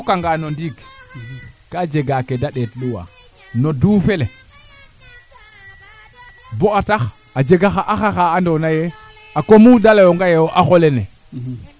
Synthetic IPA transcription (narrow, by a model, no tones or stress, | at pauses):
kaŋɡanondiɡ | kad͡ʒeɡakedaɗetluwa̰ | noduːfele | boatax | ad͡ʒeɡaxaʔaxaxaandonaje | akomudalajoŋɡajewoʔaxolene